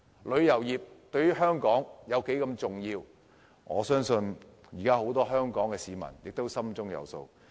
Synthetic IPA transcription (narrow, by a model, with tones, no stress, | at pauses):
lɵ˨˧ɥjɐ˨˩wjiː˨p̚t̪ɵ˧ɥyː˥ɦœː˥ŋkɔː˨˥ŋjɐ˨˧wke˨˥jkɐ˧mt͡sʊ˨ŋjiː˧w | ŋɔ̰ː˨˧sœː˥ŋsɵ˧n | jiː˨˩kaː˥ho˨˥wt̪ɔː˥ɦœː˥ŋkɔː˨˥ŋkɛː˧siː˨˧mɐ̰˨˩njɪ˨k̚t̪o˥wsɐ˥mt͡sʊ˥ŋjɐ̰˨˧wso̰˧w